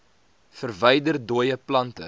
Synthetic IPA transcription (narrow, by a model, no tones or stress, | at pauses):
fərvəjdərduəjəplɐntə̰